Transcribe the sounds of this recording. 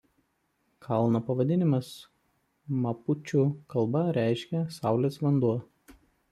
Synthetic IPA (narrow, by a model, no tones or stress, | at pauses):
kʰɐlˠnopɐʋɐd̪ʲɪnʲɪmɐs | mɐpʊt͡ʃʲuːˑkɐlˠˑbɐɾʲæˑɪʃʲkʲɛsɑˑʊlʲeːsʋɐnd̪uɔ